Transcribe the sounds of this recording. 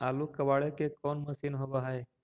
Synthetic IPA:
alukəʋaɭekekɔnməsinɦoʋaɦaj

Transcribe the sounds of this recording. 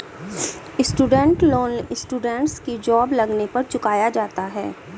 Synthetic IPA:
ɪsʈuːɖə̃ɳʈloːnɪsʈuːɖə̃ɳʈskid͡ʒɔːblɐɡnepɐɾt͡ʃʊkaːjad͡ʒaːt̪aɦɛː

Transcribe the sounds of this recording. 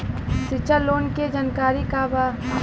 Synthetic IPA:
sɪt͡ʃəloːnked͡ʒənkaːɾikaba

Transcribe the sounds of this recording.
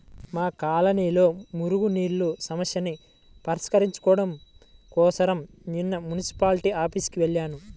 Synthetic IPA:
maːkaːlɐniːlo̞ːmuɾuɡuniːɾlusɐmɐsjɐni | pɐɾiskɐɾiɲt͡ʃu̥kɔːɐɽɐmkɔːsɐɾɐm | ninːɐmunisi̥paːliʈiaːpiskiʋeɭːaːnu

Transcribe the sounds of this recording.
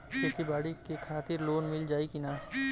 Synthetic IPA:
kõːkibaːɽikekʰaːt̪ɪɾloːnmɪld͡ʒaːikinaː

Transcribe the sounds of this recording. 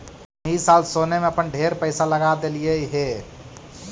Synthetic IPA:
isalsonemeəpənɖʱeɾpəɪsaləɡad̪elijeɦe

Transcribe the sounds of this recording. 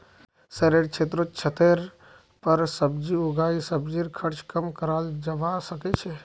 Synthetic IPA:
sɛɾeɽt͡ʃʰet̪̬ɾot͡ʃʰət̪eɾ | pəɾsəbd͡ʒiuɡaisəbd͡ʒiɾkʰəɾt͡ʃʰkəmkəɾald͡ʒəbasəkɛt͡ʃʰɛ

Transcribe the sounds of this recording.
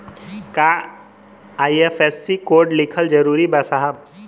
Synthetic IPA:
ka | aːiefʰesːikoːɾɖlɪkʰəld͡ʒɐɾuːɾibasaɦəb̚

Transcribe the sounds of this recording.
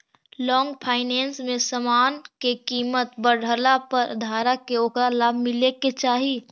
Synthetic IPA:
lɔːŋɡpʰaːɪnɛ̃ːnsmẽsəmaːnkekiːmət̪bəɽ̤ʱəlapəɾd̪ʱaːɾakeoːkɾalaːbʱmɪleket͡ʃaːɦi

